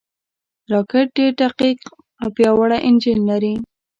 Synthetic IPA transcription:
ɾɑkɪʈ̚ɖeɾɖaqiq | awpjɑwaɽaʔɪnd͡ʒɪnlaɾi

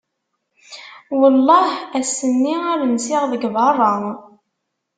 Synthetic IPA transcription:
wəlˤːɑhæsːənːiæɾənsɪʁðəɡvɑrˤːəŋ

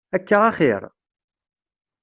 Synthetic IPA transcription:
ækːaʁaχiɾˤ

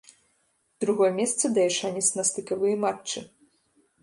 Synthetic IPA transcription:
d̪ɾuɣɔjɛmʲɛst̪sɐd̪ɐjɛʂanʲɛt̪snɐst̪ɨkavɨjɐmat͡ʂt͡ʂːɨ

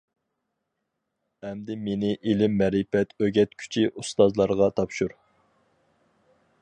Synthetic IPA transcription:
ɛmd̪ɪmenɪʔilɪmːɛɾɪpɛt̪ʰøɡʲɛt̪kʲʰy̥t͡ʃʰiʔust̪ɑzlˠɑɾʁɑt̪ʰɑpʃuɾ

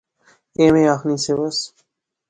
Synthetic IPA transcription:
emeaxniseβɐs

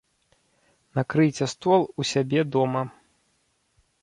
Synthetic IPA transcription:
nakɾɨt͡sʲɛst̪ɔlˠusʲabʲɛd̪ɔmɐ

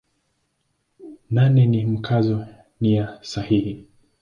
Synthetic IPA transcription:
nanɛnim̩kʰazɔ | nijasahihi

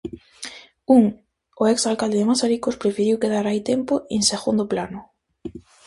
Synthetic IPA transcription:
uŋ | ʊɛksalkald̪eðemasaɾikospɾefiɾiwkeðaɾajt̪empoeŋseɣund̪oplanʊ

